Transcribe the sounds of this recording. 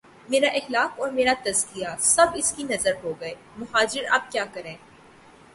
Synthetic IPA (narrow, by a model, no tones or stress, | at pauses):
meːɾaʔɪxlaːqɔːɾmeːɾat̪ɐzkijasɐbɪskinɐzəɾɦoːɡɐeː | mʊɦaːd͡ʒɪɾɐ̰b̚kjaːkɐɾẽː